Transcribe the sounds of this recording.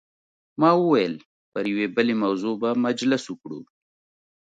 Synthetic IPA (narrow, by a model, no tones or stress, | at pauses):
mɑːwuwajəl | pəɾjwebəlemɐwzobamad͡ʒləsukɽṵ